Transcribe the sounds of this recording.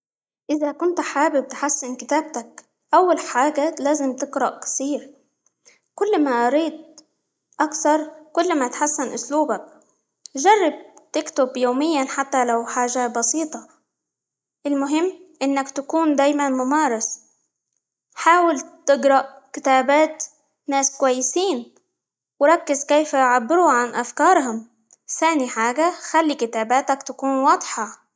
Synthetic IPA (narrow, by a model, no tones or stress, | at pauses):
ʔɪðakʊnt̪ħaːbɪb̚t̪ħasːɪnkɪt̪aːb̚t̪ak | ʔawːalħaːɡalaːzɪmt̪ɪɡɾɑʔkɪ̥t̪iːɾ | kʊlːmaʔɑɾiːd̪̚ | ʔakθɑɾˤkʊlːmat̪ħasːɪnʔʊsluːbak̚ | ʒɑrˤːɑb̚t̪ɪkt̪ʊbjoːmɪjːanħat̪ːalawħaːʒabɑsiːt̪ˤɑ | ʔɪlmʊɦɪmːʔɪnːakt̪akuːnd̪aːjmanmʊmɑːɾˤɑs | ħaːwɪlt̪ɪɡɾˤɑʔkɪt̪aːbaːt̪ | naːskʊwajːɪsiːn | wɪɾˤɑkːɪzkeːjfajʕabːɪɾuʕanʔafkɑːɾˤɦʊm | θaːniħaːɡaxalːikɪt̪aːbaːt̪akt̪akuːnwɑːd̪ˤħɑ